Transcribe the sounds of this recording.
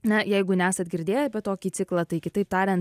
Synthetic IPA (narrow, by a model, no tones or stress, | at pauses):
nʲɐjɛɪɡʊnʲæːsɐd̪̚ʲɡʲɪɾʲd̪ʲeːjɛbʲɛt̪̚oːkʲiːt͡s̪ʲɪklˠɐt̪ɐɪkʲɪt̪ɐɪp̚t̪ɑːɾʲɛnt